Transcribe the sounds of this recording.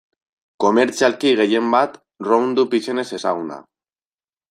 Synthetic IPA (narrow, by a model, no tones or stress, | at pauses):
ko̞meɾt͡sialkiɣe̞je̞mbat̪ | rond̪upisene̞se̞saɣuna̰